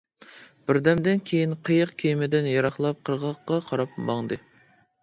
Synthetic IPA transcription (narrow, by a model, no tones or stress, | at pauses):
b̥ɪɾd̪ɛmd̪ɪnkʲʰejinqʰəjəqkʲʰejmɪd̪ɪnjɑɾɑχlˠɑp̚qʰəɾʁɑqːɑqʰɑɾɑpmɑŋd̪ɨ